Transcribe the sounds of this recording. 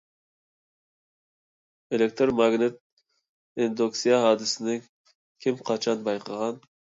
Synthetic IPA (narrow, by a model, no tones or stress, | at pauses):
elek̚ʲt̪ɾmɑɡnɪt̪̚ | end̪oksijɑɦɑːd̪ɪsɪnɪŋ | kʲʰimqʰɑt͡ʃʰɑnbɑjqʰəʁɑn